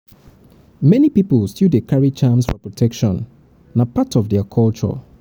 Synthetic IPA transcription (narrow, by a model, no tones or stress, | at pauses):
mɛnipipəlˠstjudekʰaɹit͡ʃãmsfɔpɹɔtʰɛkʃɔ̃nː | apatɔvdɛəkʰɔlˠt͡ʃɔ̰